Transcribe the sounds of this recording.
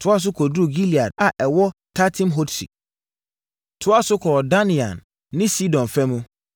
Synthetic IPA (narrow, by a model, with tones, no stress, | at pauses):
tʰʊ˨˦a˦˨s̬ʊ˦kʰɔ˨du˦˨ɡi˦li˨a˨d̚a˨ʔɛ˨wɔ˦tʰa˦tʰĩ˦mɦo˦tsḭ˨ | tʰʊ˦a˦sʊ˦kʰɔː˨da˦nĩ˨ã̰˨nː | ɪ̃˦si˦dɔ̃˨nfɛ̃˦mũ˦